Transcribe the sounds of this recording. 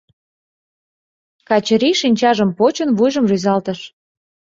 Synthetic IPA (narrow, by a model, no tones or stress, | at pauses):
kɑt͡ɕəɾiʃinʲt͡ɕɑʒəmpot͡ɕənβujʒəmryzɑlt̪əʃ